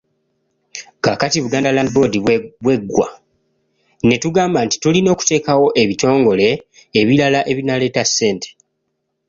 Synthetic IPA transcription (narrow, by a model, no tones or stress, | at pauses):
kakatiβuɡaːndalandibo̞diβwe̞ɡːwa̰ | ne̞tuɡaːmbanti̥tulino̞ːku̥te̞ːkawo̞ʔe̞βito̞ːŋɡo̞le̞ː | βilalaʔe̞βinale̞ːtasːe̞ːnte̥